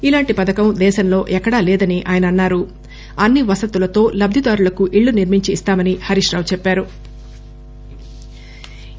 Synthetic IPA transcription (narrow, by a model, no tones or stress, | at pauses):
ilaːɳʈipɐd̪ɐkɐmd̪ɛːʃɐmlo̞ːʔɛkːɐɽaːlɛːd̪ɐniʔaːjɐnɐːnːaːɾu | ɐnːiʋɐsɐt̪ulɐt̪o̞ːlɐb̚d̪ʱid̪aːɾulɐkuʔiɭːuniɾmiɲt͡ʃiːst̪aːmɐnihɐɾiʂɾaːʋt͡ʃɛpːaːɾu